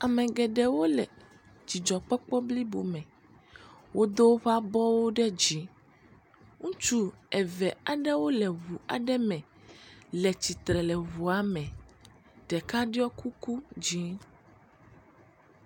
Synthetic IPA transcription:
a˨mɛ̃˨ɡɛ˨ɖɛ˨wo˦lɛ˨ | d͡ʑi˨d͡ʒɔ˨k͡pɔ˦k͡pɔ˦bli˦bo̰˨mɛ̃˨ | wʔo˦d̪o˦wo˦ɸa˦bɔ˦wo˦ɖɛ˦d͡ʑi˨˦ | ŋũ˦t͡ʃu˦ɛ˨vɛ˨a˨ɖɛ˦wo˦lɛ˨βu˨a̰˨ɖɛ˦mɛ̃˨ | lɛ˨t͡ɕi˨t̪ɾɛ˨lɛ˨βu˨a˨mɛ̃˨ | ɖɛ˨ka˦ɖi˦ɔ˦kʰu˦ku˦d͡ʑi˦

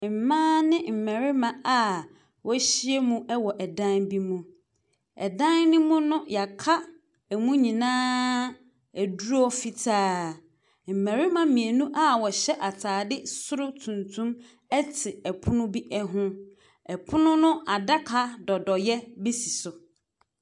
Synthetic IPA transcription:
m̩˨mãː˦nɪ̃˦m̩˨mæ˨ɾɪ˦mã˦˨a˨ | wɔ˦ɕi˦e˦mũ˦ɛ˦wɔ˨ʔɛ˨dã˦nbi˦mũ˨ | ɛ̰˨dã˦nnʊ̃˦mʊ̃˦nʊ̃˦ja˨kʰa˦ | ɛ˨mũ˦ɲĩ˨nãː˦ | æ˨du˦ɾɔ˦fi˨tʰaː˦ | m̩˨mæ̃˨ɾɪ˦mã˨mĩ˨e˨nũ˦ʔa˦wɔ˨ɕɛ˦ʔa˨tʰaː˨dɪ˦sʊ˦ɾʊ˦tʰũ˨ntʰũ˦m | ɛ˦tʰɪ˨ɛ˨pʰʊ˦nʊ̃˦bi˦ʔɛ˦ɦʊ̃˦ | ɛ˨pʰʊ˦nʊ̃˦nʊ̃˦a˨da˦kʰa˦dɔ˨dɔ˨jɛ˦be˦si̥˨sʊ˨

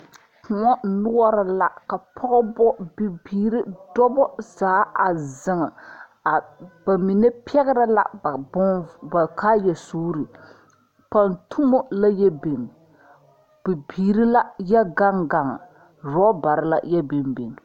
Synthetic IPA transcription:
kʊ˨ŋɔ˦nʊ˦ɔ˦ɾɨ˨la˨ka˨pʰɔ˦ɡɔ˦bɔ˦bi˨biː˨ɾɨ˦dɔ˦bɔ˦zaː˨˦a˨zɨ˨ŋɨ˨ | b̥a˨mi˨nɛ˦pʰɛ˦ɣɪ˦ɾɨ˦la̰˨bba˨kaː˦jɛ˨soː˦ɾɨ˨ | pa˨ntʰu˦mɔ˦la˦jɛ˦be˨ŋ | b̥i˨biː˨ɾi˦la˦jɛ˦ɡa˦ŋɡa˨ŋ˨ | ɾɔ˦ba˨ɾɨ˦la̰˦jɛ˦be˨mbe˨ŋ˨

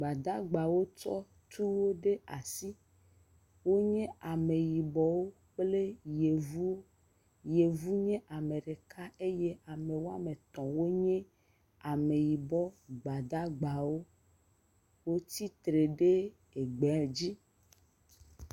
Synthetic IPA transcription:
ɡ͡ba˨d̪a˦ɡ͡ba˨wo˦t͡ʃɔ̰˦ | t̪u˦wo˦ɖe˦a˨si˦ | wo˦ɲɛ̃˦a˨me˨ji˨bɔ˦wo˦ | k͡ple˦je˨vu˦ | je˨vu˦ɲɛ̃˦ʔa˨me˨ɖe˨kʰa˦e˦je˦a˨me˨wo˦a˦mẽ˨t̪ɔ̃˨wo˦ɲɛ̃˦ | a˨me˨ji˨bɔ˦ɡ͡ba˨d̪a˦ɡ͡ba˨wo˦ | wo˦t̪i˦t̪ɾe˨ɖe˦ | e˨ɡ͡be˨ld͡ʑi˦

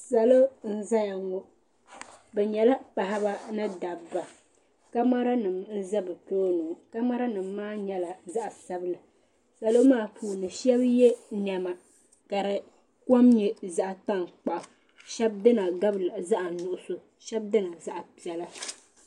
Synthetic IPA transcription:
sa˨lo˦n̩˦za˦ja˨ŋɔ˦ | bɛ˨ɲɛ˨la˦pa˨ɦa˦ba˦nɨ˦da˨bːa˨ | ka˦ma˦ɾa˦nɨ˨mn̩˦za˦bɨ˨toː˦nu˨ka˦ma˦ɾa˦nɨ˨mː˦aː˦ɲɛ˦la˨za˦ʔa˨sa˦bɨ˦lɨ˨ | sa˨lo˦maː˦˨pʰuː˨nɨ˨ʃɛ˦bjɛ˦nɛ˨ma˨ | ka˨ɾɨ˨ | ko˦mɲɛ˦za˦ʔa˨ta˦˨ŋk͡pa˨ʔa˨ | ʃɛ˦b̚dɨ˦na˨ɡa˦bla˨za˦ʔa˨nʊ˨ʔʊ˨so˨ | ʃɛ˦b̚dɨ˦na˨za˦ʔa˨pi˨ɛ˨la˦

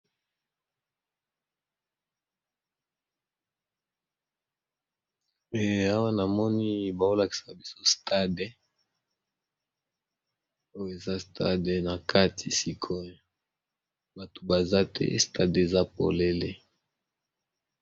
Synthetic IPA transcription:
ɛ˨a˦wa˦na˨mɔ˦ni˦ba˨o˦la˨ki̥˨sa˨bi˦so˦stʰa˦de˨˦ | o˦jo˦˨e˨za˦stʰa̰˦de˨na˨kʰa˦ti˨si˦kʰo˦jo˨ | ba˨to̥˨ba˨za˦tʰɛ̰˦sta˦de˨za˦po̰˨le˦le˦

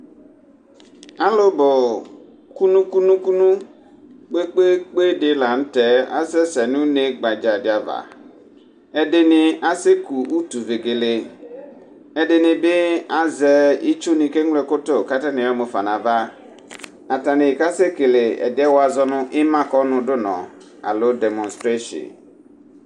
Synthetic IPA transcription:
a˦lo˦bɔ˨ | ku˦nũ˦ku˦nũ˦ku˦nũ˦ | k͡pe˦k͡pe˦k͡pe˦dɪ˦la˨n̩˦tɛ˨a̰˦sɛ˦sɛ˨nʊ̃˦ne˦ɡ͡ba˨d͡ʒa˨d͡ʒa˨va̰˨ | ɛ˨de˨nɪ̃˨a˨se˦ku˨u˦tu˨ve˨ɡe˨le˨ | ɛ˨de˨nɪ̃˨bɪ˦a˨zɛ˨i˦t͡ʃo˦nĩ˨ke˦ŋle˨kʊ˦tʊ˦˨ka˦ta˦nɪ̃˨ɔ˦mʊ˨fa̰˨nã˨va˦ | a˨ta˨nɪ̃˨ka˦se˦ke˨le˨ɛ̰˨dɪ˦ɛ˦wo˦a˨zɔ˦nʊ̃˦ʔɪ˦mã˦kɔ˦nʊ̃˨dʊ˦nɔ̰̃˨ | a̰˨lo˦dɛ˨mɔ̃˨nstɾe˦ʃḭ˨n

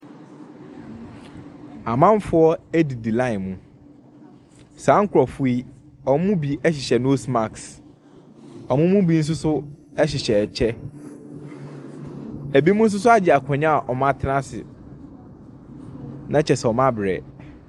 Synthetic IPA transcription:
a˨mã˦m˦fʊ˦ɔ˦æ˦di˨di˨lã˦˨nmũ˦ | sãː˨˦ŋ̩˦kʰʊ˨ɾɔ˨fu˦i˦ | ɔ˨m̃˦mũ˦bi˨ɛ˦ɕɪ˨ɕɛ˨no˦sma˨ks | ɔ˨mʊ̃˦mũ˦bi˦n̩˦s̬ʊ˦sʊ˦ɛ˦ɕɪ˨ɕɛ˨t͡ɕʰɛ˦ | æ˨bi˦mũ˦n̩˦s̬ʊ˦sʊ˦a˦d͡ʑɪ˨a˨kʷʰɔ̃˨ɲã˦a˨ʔɔ˨mã˦tʰɪ˦nã˦sɪ̰˨ | nã˦t͡ɕʰɛ˨sɛ˨ɔ˨mã˦bɾɛ̰˨

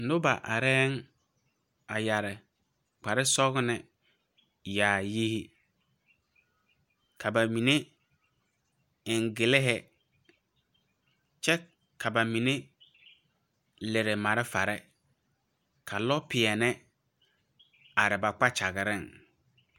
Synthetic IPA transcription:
n̩˨dʊ˦ba̰˨ʔa̰˨ɾɛː˦ŋ | a˨ja˨ɾɪ˨ | k͡pa˨ɾɪ˦sɔ˦ɣnɪ˨ | jaː˨ji˦hi˦ | kʰa˨ba˨mĩ˨ne˦ | ɪ˨ŋ˨ɡɪ˨lɪ˦ɦɪ˦ | t͡ʃɛ˦ | kʰa˨ba˨mĩ˨ne˦ | lɪ˨ɾɪ˨ma˨ɾɪ˦fa˨ɾɛ˦ | kʰa˨lɔ˦pʰɪ˨ɛ˨nɪ˦ | a˨ɾɪ˨ba˨k͡pa˦t͡ʃa˨ɣɪ˨ɾɪ˦˨ŋ

